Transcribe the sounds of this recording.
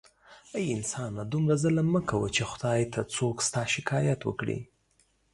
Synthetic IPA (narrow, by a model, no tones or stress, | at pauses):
ajɪnsɑnad̪umɾazəlaməkʰawət͡ʃexʊd̪̥ɑjt̪ʰat͡sokst̪ɑʃɪkʰɑjat̪wə̰kɽḭ